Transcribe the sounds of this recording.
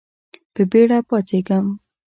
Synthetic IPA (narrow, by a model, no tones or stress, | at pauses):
pəbeɽapɑt̪eɡəm